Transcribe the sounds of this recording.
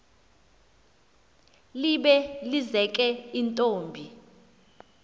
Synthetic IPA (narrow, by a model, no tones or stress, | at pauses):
liɓɛlizɛkʼɛintʼoːmbʱi